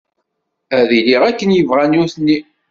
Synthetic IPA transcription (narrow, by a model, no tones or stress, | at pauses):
æðiliʁækːənjəvʁænʊɾθənːi